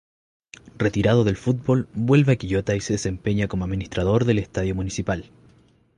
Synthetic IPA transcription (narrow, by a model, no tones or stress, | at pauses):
ret̪iɾað̞oðe̞lfut̪̚bo̞lbwe̞lβeakiʝo̞t̪aise̞ðese̞mpeɲako̞moaðminist̪ɾaðo̞ɾðe̞lest̪aðjo̞munisipal